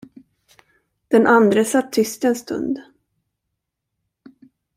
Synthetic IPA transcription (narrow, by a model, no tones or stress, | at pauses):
d̪̥ɛnʔand̪ɾəsat̪ʰːʏst̪ɪɛnst̪ɵ̰nd̪